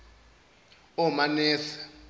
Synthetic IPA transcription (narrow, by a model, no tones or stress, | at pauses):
ɔmanɛːsḁ